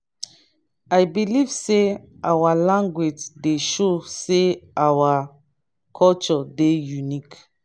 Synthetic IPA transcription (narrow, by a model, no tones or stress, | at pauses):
ajbiliv̥se | ʔawalãŋɡwed͡ʒdeʃoseawa | kʰɔlt͡ʃɔdejunik